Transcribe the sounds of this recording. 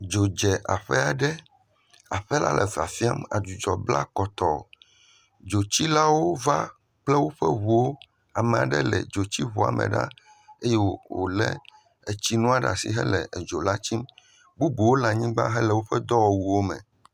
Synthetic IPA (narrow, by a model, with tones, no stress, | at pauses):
d͡ʒo˨d͡ʒɛ˨ʔa̰˨ɸɛ˦a˨ɖɛ˦ | a˨ɸɛ˦la̰˦lʔɛ˨va̰˨fi˦a˦ma̰˨d̪u˨d͡ʒɔ˨bla̰˦kɔ˨t̪ɔ˨ | d͡ʒo˨t͡ɕi˦la˦wo˦va˦ | k͡plɛ˦wo˦ɸɛ̰˦ɦu˨wo˦ | a˨mɛ̃˨a˨ɖɛ̰˦lɛ̰˨d͡ʒo˨t͡ɕi˦βu˨a̰˨mʔɛ̰˨ɖa̰˦ | e˦je˦wwo̰˨lɛ̰˦ | e˨t͡ɕi˦nũ˦a˦ɖa̰˨sḭ˨ɦɛ˦lɛ˨d͡ʒo˨la˦t͡ɕi˦m | bu˦bu˨wo˦la˨ɲĩ˦ɡ͡ba̰˦ɦɛ˦lɛ˨wo˦ɸɛ˦d̪ɔ˦wɔ˨wu˨wo˦mɛ̰̃˨